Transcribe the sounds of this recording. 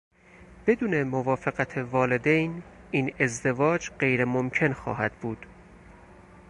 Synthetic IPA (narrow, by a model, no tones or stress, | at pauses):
b̥e̞d̪uːnemovɒːfeɣæt̪ʰevɒːle̞d̪ejniːne̞zd̪e̞vɒːd͡ʒɢe̞jɾemomcʰe̞nxɒ̰ːhæd̪buːd̪̥